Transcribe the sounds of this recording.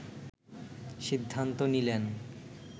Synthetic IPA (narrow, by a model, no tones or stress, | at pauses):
ʃid̪ʱːant̪onilen